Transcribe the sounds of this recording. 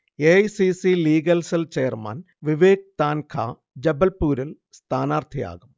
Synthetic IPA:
eɐjsisiliːɡɐlsɐlt͡ɕeːɐrma̰n | ʋiʋeːk̚t̪aːnkʰa̰ː | d͡ʑɐbɐlpuːɾil | st̪ʰaːnaːrt̪ʰija̰ːɣum

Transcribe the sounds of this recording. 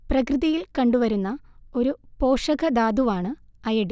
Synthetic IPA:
prɐkrɨðɐjilkɐɳɖuʋɐɾunːɐo̞ɾupo̞ːʂɐɣɐd̪aːd̪uʋaːɳɨɐjɐɽi

